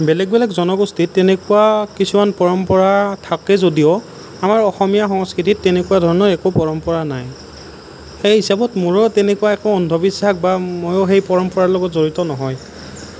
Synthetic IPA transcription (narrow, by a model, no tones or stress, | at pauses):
bɛlɛk̚bɛlɛkzɔnɔɡostitːɛnɛkuwakisumanpɔɹɔmpɔɹatʰakɛzodijɔ | amaɹɔxɔmijaxɔŋskɹititːɛnekuwadʱɔɹɔnɔɹɛkopɔɹɔmpɔɹanaj | xejɦisabɔtmʊɹɔtɛnɛkuwaɛkoɔndʱɔbisakbamojoxejpɔɹɔmpɔɹalɔɡɔtzoɹitɔnɔɦɔj